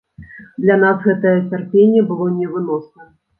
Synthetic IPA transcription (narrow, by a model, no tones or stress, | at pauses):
d̪lʲan̪asɣɛt̪ɐjɐt͡sʲarpʲenʲːɛbɨlˠɔnʲɛvɨnɔsnɐ